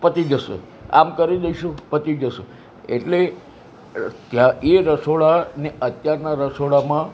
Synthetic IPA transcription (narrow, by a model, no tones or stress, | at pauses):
pət̪id͡ʒəʃḛ | a̰mkəɾiɗəiʃũpət̪id͡ʒəʃe | eʈle | t̪jaeɾəsoɭaneʔət̪jaɾnaɾəsoɭamã